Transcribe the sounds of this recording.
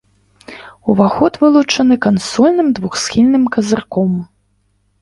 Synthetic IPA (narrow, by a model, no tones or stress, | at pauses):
uvaxɔt̪vɨlˠut͡ʂɐnɨkansɔlʲnɨmd̪vuxsxʲilʲnɨmkɐzarkɔm